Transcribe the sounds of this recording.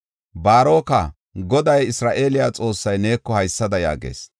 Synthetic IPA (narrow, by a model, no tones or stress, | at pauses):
baːɾo̞ːkɐ | ɡɔd̪ɐjɪsɾaːʔe̞ːlɪjaːt͡sʼo̞ːsːɐjne̞ːkːɔhɐjsːɐd̪ɐja̰ːɡḛːs